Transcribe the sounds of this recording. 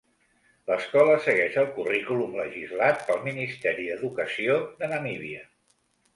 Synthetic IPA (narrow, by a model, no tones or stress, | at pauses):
ləskɔləsəɣɛʃəlˠkurikulumləʒizlat̪̚pəlˠminist̪ɛɾiðəðukəsioðənəmiβiə